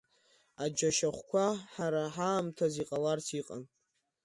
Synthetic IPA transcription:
ad͡ʒaʃaχʷkʷʰaħaɾaħaːmtʰaziqʼalarsʰiqʼa̰n

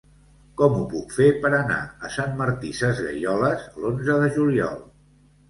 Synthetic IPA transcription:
kɔmupukfepəɾəna̰əsanməɾt̪isəzɣə̰ʎɔləzlonzəðəʒuliɔ̰lˠ

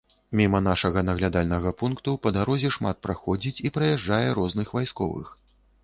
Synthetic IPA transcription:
mʲimɐn̪aʂɐɣɐnɐɣlʲad̪alʲnɐɣɐpunkt̪upɐd̪aɾɔzʲɛʂmat̪̚pɾaxɔd͡zʲit͡sʲipɾɐjaʐd͡ʐajɛɾɔznɨxvajskɔ̰vɨ̰x

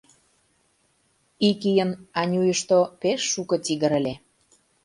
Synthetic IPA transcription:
ikijənɑnʲujəʃt̪opeʃːukɤ̆tiɣə̆ɾə̆lʲe

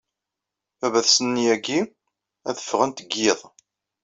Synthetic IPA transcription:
ævæθsənːijæɡi | æðəfːʁənt̪əɡːeðˤ

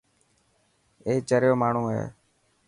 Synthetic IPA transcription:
eːt͡ʃəɾjoːmaːɳ̤ũːɦḛː

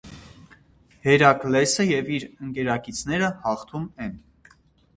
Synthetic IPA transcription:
hɛɾɑklɛsəjɛviɾəŋkɛɾɑkit͡sʰnɛɾəhɑχt̪ʰumɛn

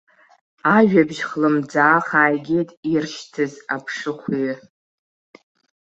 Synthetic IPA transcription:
aʒᶣabʒχlɨmd͡zaːχaːjɡʲejtʼirʃtʰɨzapʰʂɨχʷi

